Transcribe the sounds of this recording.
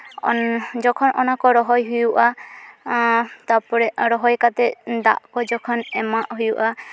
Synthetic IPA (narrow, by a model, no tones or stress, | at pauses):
ɔ̰d͡ʒɔkʰɔnɔnakɔɾɔɦɔjɦujuʔa | t̪apɔɾɛɾɔɦɔjkat̪ɛd̪a̰ʔkɔd͡ʒɔkʰɔnɛmaʔɦujuʔa